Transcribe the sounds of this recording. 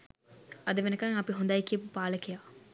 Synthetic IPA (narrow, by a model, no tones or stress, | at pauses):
ɐd̪əʋenɐkaŋɐpiɦund̪ajkijəpupaːləkijaː